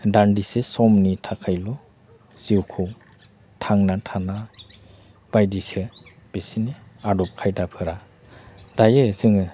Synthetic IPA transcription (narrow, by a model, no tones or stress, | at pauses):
dandisesɔmnitʰakʰajlɔ | z̥iwkʰɯw | tʰaŋnatʰana | b̥ajdise | b̥esiniadɔp̚kʰajdapʰɯɾa | dajɯzɯŋɯ